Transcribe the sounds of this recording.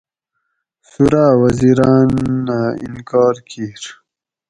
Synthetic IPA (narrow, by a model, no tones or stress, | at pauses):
suɾaːwɐziɾɑːnːaḭnkɑːɾkʰiːɾ